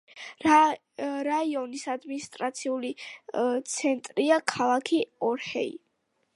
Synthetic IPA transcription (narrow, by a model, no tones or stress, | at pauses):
ɾaiɔnisad̪minist̪ʼɾat̪sʰiulit̪sʰɛnt̪ʼɾiakʰalˠakʰiɔɾhɛḭ